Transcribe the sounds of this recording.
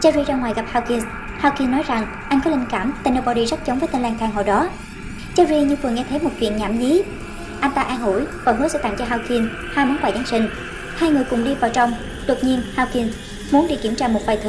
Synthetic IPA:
t͡ɕa˧zi˧zaː˧ŋwaː˨˩jɣa˨˩p̚haː˧wki˧ns | haː˧wki˧nːɔ˨˦jza˨˩ŋ | ʔa˧jŋ̟kɔ˨˦li˧nkaː˧˩mt̪a˨˧˩no˧ɓɔ˧ɗi˧zə˦˥t̚t͡ɕə˨˦ŋ͡mvəː˨˦jt̪i˧ŋ̟laː˧ŋt̪ʰaː˧ŋɦo̰˧˨jɗɔ˨˦ | t͡ɕaː˧zi˧ɲɨ˧vɨ˨˩ŋɛ˧t̪ʰə˨˦jmo˨˩t̚vḭ˧˨ənɲaː˧˩mɲi˨˦ | ʔa˧jn̟t̪aː˧ʔaː˧nɦu˧˩˨jva̰˧˩ɦɨ̰˨˦əsɛ̰˧˥t̪a̰˧˨ŋt͡ɕɔ˧ɦaː˧wki˧n | haː˧jmɔ˨˦nɓaː˨˩jzaː˨˦nsi˧ŋ̟ | haː˧jŋɨ˨˩əjkʊ̰˧˩ŋ͡mɗi˧vaː˨˩wt͡ɕɔ˧wŋ͡m | ɗo˨˩t̚ɲi˧nhaː˧wki˧ən | mu˨˦ənɗi˧˩ki˧˩ət͡ɕaː˧mo˨˩t̚vaː˨˩jt̪ʰɨ˨˧˩

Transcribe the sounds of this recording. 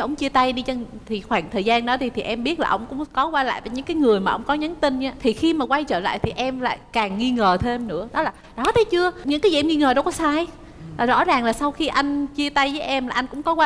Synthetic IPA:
ma˨˩ʔə˧wŋ͡mt͡ɕi˧ət̪a˧jɗi˧t͡ɕt̪ʰi˨˩xwaː˧˩ŋt̪ʰəː˨˩zaː˧nɗɔ˨˦t̪ʰi˨˩t̪ʰi˨˩ʔɛ˧mɓi˦˥ət̚laː˨˩ʔə˧wŋ͡mkʊ̰˧˥ŋ͡mkɔ˨˦kwaː˧la̰ː˧˨jvəː˨˦jɲɨ̰˧˥ŋkaː˨˦jŋɨ˨˩əjmaː˨˩ʔə̰˧wŋ͡mkɔ˨˦ɲə˨˦nt̪i˧n̟ʔaː˨˦t̪ʰi˨˩xi˧maː˨˩kwa˧jt͡ɕəː˧˩la̰ː˧˨jt̪ʰi˨˩ʔɛ˧mla̰ː˧˨jkaː˨˩ŋːi˧ŋəː˨˩t̪ʰe˧mnɨ̰˧˥əɗɔ˨˦laː˨˩ɗɔ˨˦t̪ʰə˨˦jt͡ɕɨ˧əɲɨ̰˧˥ŋkaː˨˦ji˨ʔɛ˧ŋi˧ŋəː˨˩ɗə˧wkɔ˨˦saː˧j | laː˨˩zɔ̰˧˥zaː˨˩ŋlaː˨˩sa˧wxi˧ʔa˧jŋ̟t͡ɕi˧ət̪a˧jvəː˨˦jʔɛ˧mlaː˨˩ʔa˧jŋ̟kʊ̰˧˥ŋ͡mkɔ˨˦kwaː˧

